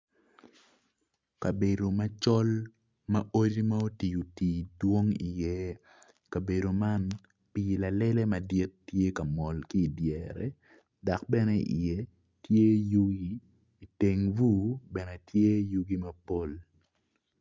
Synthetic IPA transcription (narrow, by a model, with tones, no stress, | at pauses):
ka˨be˨do˨ma˦t͡ʃɔ˦l | mɐ˦o˦di˦ma˦o˦ti˨u˨ti˨dwo˦ŋi˨jɛ˦ | ka˨be˨do˨ma˦n | pi˨la˨lɛ˦le˦mɐ˨dɪ˦tːje˦ka˨mɔ˨lkiː˦˨djɛɾɛ | da˨k̚bɛ˦nɛ˦ʔḭ˨jɛ˦ | tje˦ju˦ɡiː˦˨ | te˨ŋvu˦bɛ˨nɛ˨tje˦ju˦ɡi˦mɐ˦po˦l